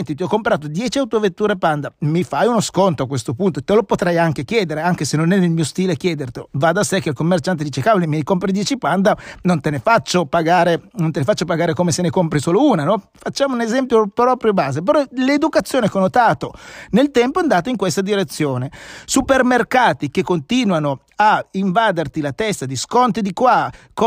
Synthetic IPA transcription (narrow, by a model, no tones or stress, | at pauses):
nt̪it̪iɔkːompɾaːt̪od̪jɛːt͡ʃiawt̪ovet̪ːuːɾepand̪amifajunoskont̪oakwest̪opunt̪oet̪elopot̪ɾɛjaŋk̟ekjɛːd̪eɾeaŋk̟esenːonɛnelmiːost̪iːlek̟jɛːd̪ert̪evad̪asekːeilkomːert͡ʃant̪ed̪iːt͡ʃekaːvlimiajkompɾid̪jɛːt͡ʃipand̪anont̪enefat͡ʃːopaɡaːɾenont̪enefat͡ʃːopaɡaːɾekomesenekompɾisoːlouːnanɔ | fat͡ʃːaːmounezɛmpjopɾɔːpɾjobaːzepeɾɔled̪ukat̪sːjoːnekonːot̪aːt̪onelt̪ɛmpoand̪aːt̪oiŋkwest̪ad̪iɾet̪sːjoːnesupermerkaːt̪ikekːont̪iːnwano | aiɱvaːd̪ert̪ilat̪ɛst̪ad̪iskɔnt̪id̪ikwak